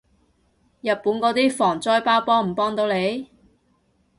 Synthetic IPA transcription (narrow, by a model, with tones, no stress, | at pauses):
jɐ˨t̚puː˨˥nkɔː˨˥t̪iː˥fɔː˨˩ŋt͡sɔː˧jpaː˥wpɔː˥ŋm̩˨˩pɔː˥ŋt̪o˨˧wle˨˥j